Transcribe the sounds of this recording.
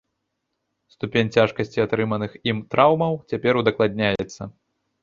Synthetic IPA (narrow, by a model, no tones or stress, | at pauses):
st̪upʲenʲt͡sʲaʂkɐsʲt͡sʲiat̪ɾɨmɐnɨximt̪ɾawmɐwt͡sʲapʲɛɾud̪ɐklˠad̪ʲnʲajɛt̪sːɐ